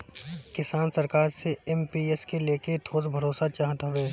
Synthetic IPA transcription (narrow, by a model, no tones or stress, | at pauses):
kɪsaːnsɐɾkaːɾseɛmpieskeleːket̪ʰoːzbʱɐɾoːsat͡ʃaːɦət̪ɦʊʋeː